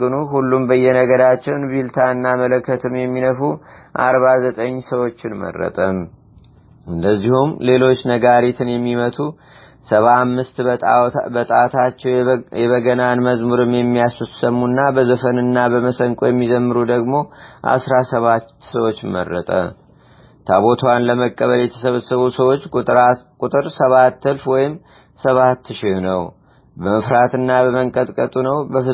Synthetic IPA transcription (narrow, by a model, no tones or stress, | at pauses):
ɨnuɦulːumbəjːɛnəɡəɾat͡ʃːɛwnbilt̪ʰaɨnːamələkːət̪ʰɨmjɛmːinəfu | ʔa̰ɾβazət̪ʼəɲːsəwo̞t͡ʃːɪnmə̰rːə̰t̪ʼəm | ɨnd̪əzːihumle̞lo̞t͡ʃːnəɡaɾit̪ʰɨnjɛmːimət̪ʰu | səβaamːɨst̪ | bət̪ʼat̪ʰat͡ʃːɛwjɛβəɡənanməzmuɾɨmjɛmːijasusəmːunːabəzəfənɨnːabəməsəŋkʼojɛmːizəmːɨɾud̪əɡmo̞ʔa̰sɾasəβat̪ːsəwo̞t͡ʃːmə̰rːə̰t̪ʼə̰ | t̪ʰaβo̞t̪ʰwanləməkʼːəβəljɛt̪ʰə̥səβəsəβusəwo̞t͡ʃːkʼuɾakʼut̪ʼɨɾsəβat̪ːɨlfwɔjɪm | səβat̪ːʃɪhnəw | bəməfɾat̪ɨnːabəməŋkʼət̪ʼkʼət̪ʼunəwbəfɨ